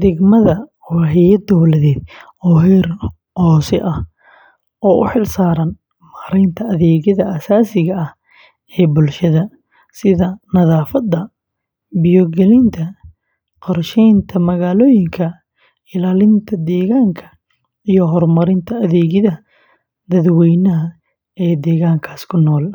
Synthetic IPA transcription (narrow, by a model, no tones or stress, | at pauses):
d̪ɪɡmɐðɐ | wɑɦɛjɐd̪ɔwlɐðɛːd̪ | ɔːɦɛr | hɔːsɛ̰ʔɐh | ʔɔːʔʊ̰ħɪlsaːɾɐn | mɐɾɛjnt̪ʰɐɐðɛːɣɐðɐʔasaːsɪɣɐɐh | ɛːbʊlʃɐðɐ | sɪðɐnɐðaːfɐd̪ɐ | bɪjɔɡɛlɪnt̪ʰɐ | qɔrʃɛjnt̪ʰɐmɐɣaːlɔːjɪŋkʰɐ | ɪlaːlɪnt̪ʰɐd̪ɛːɣaːŋkʰɐ̥ | ijɔɦɔrmɐɾɪnt̪ʰɐɐðɛːɣɐðɐ | d̪ɐðwɛjnɐɦɐ | ɛːd̪ɛːɣaːŋkʰaːskʰʊnɔːl